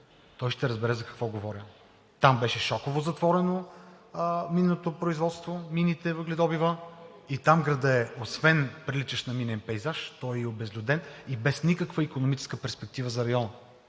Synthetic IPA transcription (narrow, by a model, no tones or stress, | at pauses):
t̪ɔjʃt̪ɛɾəzbɛɾɛzɐkɐ̥kvɔɡovɔɾʲə | t̪ambɛʃɛʃɔkovozɐt̪vɔɾɛno | minːot̪opɾoizvɔt̪st̪vominit̪ɛvəɡlɛd̪ɔbivəit̪amɡɾɐd̪əɛosvɛnpɾilit͡ʃəʃnɐminɛnpɛjzaʃt̪ɔjɛiobɛzlʲʊd̪ɛnibɛsnikəkvəikonomit͡ʃɛ̥skəpɛɾspɛk̚t̪ivəzɐɾɐjɔnə